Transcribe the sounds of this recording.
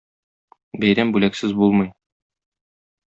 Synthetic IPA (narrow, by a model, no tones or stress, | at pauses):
bæjɾæmbʉlæksɘzbulˠmɤ̆j